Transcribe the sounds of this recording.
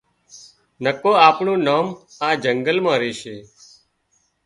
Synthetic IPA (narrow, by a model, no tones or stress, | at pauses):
nəkoːaːpɳũːnaːmaːd͡ʒəŋɡəlmãːɾeːʃeː